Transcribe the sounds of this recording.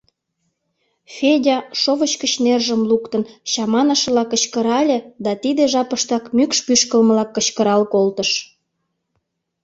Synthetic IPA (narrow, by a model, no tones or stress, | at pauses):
fʲedʲɑʃoβət͡ɕkət͡ɕnerʒəmlukt̪ənɕɑmɑnəʃəlɑkət͡ɕkəɾɑlʲed̪ɑt̪id̪eʒɑpəʃt̪ɑkmykʃpyʃkəlməlɑkːət͡ɕkəɾɑlkolt̪əʃ